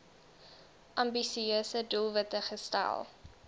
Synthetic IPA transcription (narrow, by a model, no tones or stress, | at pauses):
ʔɐmbisiøːsədulˠvətəχəstæ̰lˠ